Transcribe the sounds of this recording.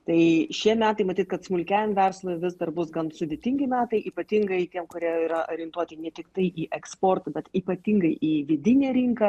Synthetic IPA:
t̪ɐɪʃʲiɛmʲæːt̪ɐɪmɐt̪ʲiːt̪kɐt̪smʊlʲkʲæːʋʲɪmʋʲɛrslˠojʋʲɪzd̪ɐrbʊsɡɐnsʊd̪ʲeːt̪ʲɪŋʲɡʲɪmʲæːt̪ɐɪʔiːpɐt̪ʲiŋɡɐɪt̪ʲiɛmkʊɾʲiɛjoiːɾɐʔɐːɾʲɪnt̪uɔt̪ʲɪnʲɛt̪ʲɪkt̪ɐɪʔiːʔɛkspoːrt̪ɐbʲɛt̪iːpɐt̪ʲiŋɡɐɪʔiːʋʲiːd̪ʲɪnʲeːɾʲiŋkɐ

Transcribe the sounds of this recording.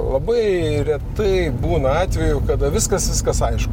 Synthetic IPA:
lˠɐbɐɪɾʲɛt̪ɐɪbuːnɐɑːt̪ʲʋʲɛjʊkɐd̪ɐʋʲɪskɐsʋʲɪskɐsɐɪʃkʊ

